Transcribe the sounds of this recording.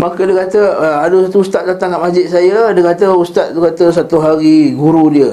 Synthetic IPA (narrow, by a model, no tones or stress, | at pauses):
makədəkat̪əadusat̪uust̪at̪̚d̪at̪aŋaʔmasd͡ʒɪt̪̚sajədəkat̪̬əust̪at̪̚dukat̪əs̬at̪uɦaɾiɡuɾudiə